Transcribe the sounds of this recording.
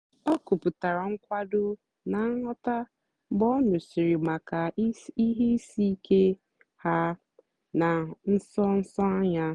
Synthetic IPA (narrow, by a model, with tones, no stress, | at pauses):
ɔ˦ku˨pʊ˨ta˨ɾa˨ŋ̩˦kʷa˦dʊ˦ | na˨˦ŋɔ˦ta˦ | bɔ˦nʊ˨si˨ɾi˨ma˨ka˨i˦ɦe˦i˦si˦i˦kʰe˦ | ha˦ | na˨n̩˦sɔ˦n̩˦sɔ˦a˦ɲa˦